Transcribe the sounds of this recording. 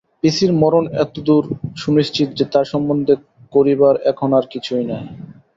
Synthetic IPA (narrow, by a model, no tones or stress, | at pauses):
pisiɾmɔɾonɛ̰t̪od̪uɾʃunist͡ɕit̪d͡ʑet̪aɾʃɔmbond̪ʱe | koɾibaɾɛkʰonaɾkit͡ɕʰujnɔe